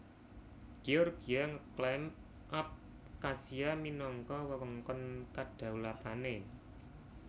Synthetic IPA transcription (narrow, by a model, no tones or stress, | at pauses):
ɡ̥iɔrɡijaŋəklɛm | ʔap̚ | kasiaminɔŋkɔwəwəŋkɔnkaɖ̥ä̤wlat̪ane